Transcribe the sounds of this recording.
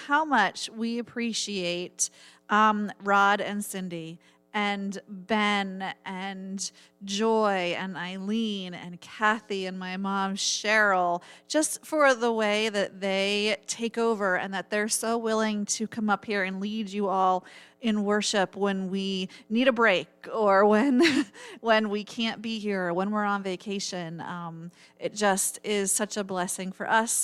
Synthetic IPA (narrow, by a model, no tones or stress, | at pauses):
haʊmʌt͡ʃwiɨpʰɹ̥iʃieɪt | ʔʌ̃mɹɑɾɨ̃nsɪ̃ndi | ɨ̃nbɛ̃nʔɨ̃n | d͡ʒɔɪɨ̃naɪlĩnɨ̰̃nkʰæθiɨ̃nmaɪmɑ̃mʃɛɹl̩ˠd̥ʒ̥ʌstfə˞ðəweɪðɨt̪̚ðeɪtʰeɪkoʊvə˞ɨ̰̃nðɨt̪̚ðə˞soʊwɪlˠɪ̃ŋtʰɨkʰʌ̃mʌphiɹɨ̃nlid͡ʒɨɔlˠɨ̃nwɜ˞ʃɪpwə̃nwiniɾɨbɹeɪkə˞wɨ̃nwɨ̃nwikʰæ̃nb̥iɦiɹwə̃nwɪɹə̃nveɪkʰeɪʃɨ̃nʌ̃m | ʔɨt̚d̥ʒ̥ʌstɪz̥sʌt͡ʃəblɛsɪ̃ŋfə̰˞ʔʌs